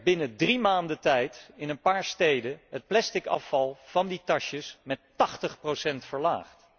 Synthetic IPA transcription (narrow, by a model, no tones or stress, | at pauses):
bɪnədrimaːndətɛjtɪnənpaːɹstejdəɦət̚plɛstɪkɑ̰fɑlˠv̥ɑnditɑʃəsmɛtːɑχtəχprosɛntfəɹla̰ːχt